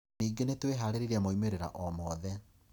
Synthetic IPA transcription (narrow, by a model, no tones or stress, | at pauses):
niːɡenetweɦaːɾeɾiɾeamoimeɾeɾa̰ʔɔmɔðɛ